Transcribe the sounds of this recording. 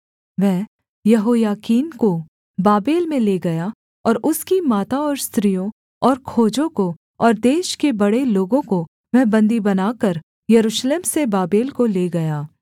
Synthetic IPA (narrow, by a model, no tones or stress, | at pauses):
ʋɛɦ | jɐɦoːjaːkiːnko | baːbeːlmẽleːɡɐja | ɔːɾʊskimaːt̪aɔːɾst̪ɾijõ | ɔːɾkʰoːd͡ʒõko | ɔːɾd̪eːʃkebɐɽeloːɡõko | ʋɛɦbɐ̃nd̪ibɐnaːkɐɾ | jɐɾuːʃleːmsebaːbeːlkoleːɡɐjaː